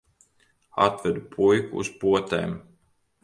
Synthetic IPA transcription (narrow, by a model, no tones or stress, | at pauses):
at̪vɛd̪upʰujkṵːspuɔt̪ɛ̰ːm